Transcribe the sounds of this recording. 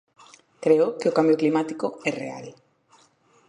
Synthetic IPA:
kɾeʊkeokambjoklimat̪ikoɛrea̰l

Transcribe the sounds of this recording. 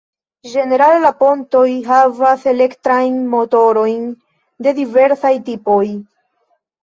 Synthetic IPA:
d͡ʒe̞ne̞ɾallapo̞nto̞jɦavase̞le̞ktɾajnmo̞to̞ɾo̞jn | de̞dive̞ɾsajtipo̞j

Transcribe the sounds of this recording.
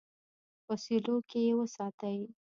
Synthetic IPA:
wasilokejewəsɑt̪əw

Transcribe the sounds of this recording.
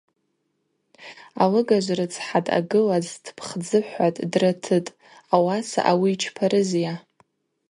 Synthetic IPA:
alɨɡaʒʷrɨt͡sʰħatʼa̰ɡɨlazdʰpʰχd͡zɨħʷatʼdratʰɨtʼ | awasa̰ʔawiːt͡ʃʰpʰaɾʔɨzja

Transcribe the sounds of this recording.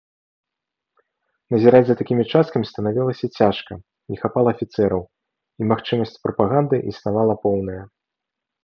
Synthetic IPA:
nɐzʲiɾad͡zʲzɐt̪akʲimʲit͡ʂast̪kɐmʲist̪ɐnavʲilˠɐsʲɐt͡sʲaʂkɐ | nʲixapalˠɐːfʲit̪sɛɾɐw | imaxt͡ʂɨmɐsʲt͡sʲpɾɐpaɣand̪ɨʔisnavalˠɐpɔwnɐjɐ

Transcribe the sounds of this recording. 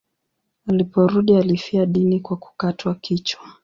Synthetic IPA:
alipɔɾuɗialifiaɗinikwaku̥katwakit͡ʃwa

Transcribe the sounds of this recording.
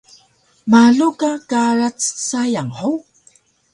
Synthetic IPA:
maɮukakaɾat͡ssajaŋħuw

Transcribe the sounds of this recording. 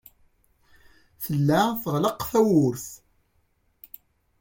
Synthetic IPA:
θəlːæθəʁləqθæwʊɾθ

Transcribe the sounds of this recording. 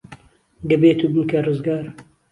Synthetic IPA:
ɡ̪ɐbeːt̪ubɨŋkɐrɨzɡaːɾ

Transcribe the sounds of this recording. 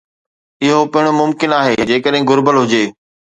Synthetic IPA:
ɪɦopɐɦɪɽ̃omʊmkɪnaːɦeːd͡ʑeːkəɗɦɪ̃ɡʊɾbəlɦʊd͡ʑeː

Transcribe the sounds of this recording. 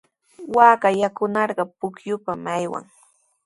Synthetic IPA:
waːkajakʊnɑɾɢɑpʊkjʊpamajwa̰ŋ

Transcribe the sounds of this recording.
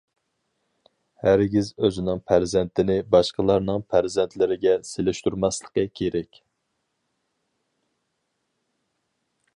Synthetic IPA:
hæɾɡʲizøzɪnɪŋpʰæɾzɛnt̪ʰɪnɪbɑʃqəlˠɑɾnɨŋpʰæɾzɛnt̪ʰlɪɾɪɡʲɛselɪʃt̪uɾmɑslˠə̥qəkʲʰeɾɛkʲ

